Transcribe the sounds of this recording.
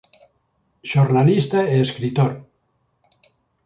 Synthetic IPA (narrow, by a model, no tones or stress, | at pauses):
ʃornalist̪aeːskɾit̪oɾ